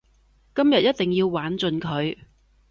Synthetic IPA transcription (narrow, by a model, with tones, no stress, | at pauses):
kɐ˥mjɐ˨t̚jɐ˥t̚t̪ɪ˨ŋjiː˧wwaː˨˥nt͡sɵ˨˧nkʰɵ˨˧ɥ